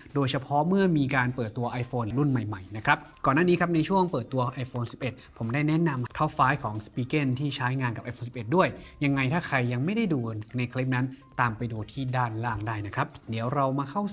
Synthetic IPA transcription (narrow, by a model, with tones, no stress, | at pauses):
doː˧jsʰa˧pʰɔ˦˥ʔmɯ˥˩ɐmiː˧kaː˧npɤː˨˩t̪ːu˧ɐʔa˧jfoː˧n˧ɾu˥˩nma˨˩jma˨˩jna˦˥kʰɾa˦˥p̚kɔː˨˩nːaː˥˩niː˦˥kʰa˦˥p̚na˧jt͡ɕʰu˥˩əŋpɤː˨˩t̪ːu˧ɐʔa˧jfoː˧nsi˨˩p̚ʔe˨˩t̪̚pʰo˩˦mdaː˥˩jnɛ˦˥na˧mt̪ʰa˦˥faː˦˥jkʰɔː˩˦ŋspiː˧ke˥˩nt̪ʰiː˥˩t͡ɕʰaː˦˥jŋaː˧nka˨˩p̚ʔa˧jfoː˧nsi˨˩p̚ʔe˨˩t̪̚du˥˩əjja˧ŋːa˧jt̪ʰaː˥˩kʰa˧jːa˧ŋma˥˩jda˥˩jduː˧na˧jkʰli˦˥p̚na˦˥nt̪aː˧mpa˧jduː˧t̪ʰiː˥˩daː˥˩nlaː˥˩ŋdaː˥˩jna˦˥kʰɾa˦˥p̚di˩˦əwɾa˧wmaː˧kʰa˥˩w